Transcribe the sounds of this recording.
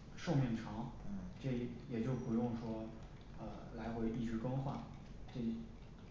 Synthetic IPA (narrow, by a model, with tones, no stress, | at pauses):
ʂo˥˧ʊmɛ˥˩ŋʈ͡ʂʰɑ˧˥ŋ̩˥˩ʈ͡ʂe˥˩˥jɛ˨˩t͡ɕjo˥˩ʊpu˧˥jʊ˥˩ŋʂwɔ˥ | ə˧˩ | la˧˥ɪxwe˧˥ɪi˥˩ʈ͡ʂɻ̩˥kɤ˥ŋxwa˥˩n | ʈ͡ʂe˥˩˥